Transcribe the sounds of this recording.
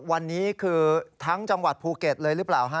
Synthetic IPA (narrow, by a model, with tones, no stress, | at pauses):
wa˧nːiː˦˥kʰɯː˧t̪ʰa˦˥ŋt͡ɕa˧ŋwa˨˩t̪̚pʰuː˧ke˨˩t̪̚lɤː˧jɾɯ˦˥plaː˨˩wɦa˦˥˩